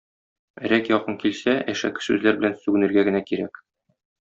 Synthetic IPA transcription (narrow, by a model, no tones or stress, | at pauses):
ɾækjɒqɤŋkilsæʔæʃæ̰kɘ̥sʉzlæɾbɘ̆lænsʉɡɘ̆nɘ̆ɾɡæɡɘ̆nækiɾæ̰k